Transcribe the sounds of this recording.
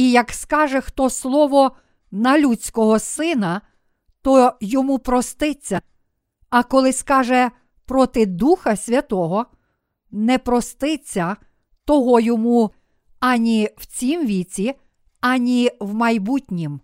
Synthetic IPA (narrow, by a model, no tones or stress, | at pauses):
ijɐkskɑʒɛxt̪ɔslˠɔʋɔ | nɐlʲut͡sʲkɔɦɔsɪnɐ | t̪ɔjɔmupɾɔst̪ɪt͡sʲːɐ | ɐkɔlˠɪskɑʒɛ | pɾɔt̪ɪd̪uxɐsʲʋʲɐt̪ɔɦɔ | nɛpɾɔst̪ɪt͡sʲːɐ | t̪ɔɦɔjɔmu | ɐnʲiwt͡sʲimʋʲit͡sʲi | ɐnʲiwmɐjbutʲnʲim